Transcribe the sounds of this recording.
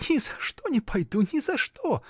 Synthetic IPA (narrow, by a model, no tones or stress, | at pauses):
nʲɪzɐʂt̪onʲɪpʰɐjd̪unʲɪzɐʂt̪o